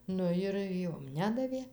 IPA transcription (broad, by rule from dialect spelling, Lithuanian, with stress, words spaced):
ˈnʊ jɪr ˈjoːm ˈnʲæːdɐʋʲeː